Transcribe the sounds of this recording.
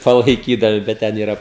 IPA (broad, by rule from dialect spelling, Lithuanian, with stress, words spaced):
pɐlˠɐɪˈkʲiːdɐmʲɪ bʲɛt ˈtʲɛn iːˈrɐ